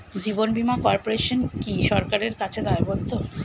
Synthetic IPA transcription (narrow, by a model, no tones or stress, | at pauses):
d͡ʑibonbimakɔɾpoɾeʃonkiʃɔɾkaɾeɾkat͡ɕʰed̪aaebolt̪o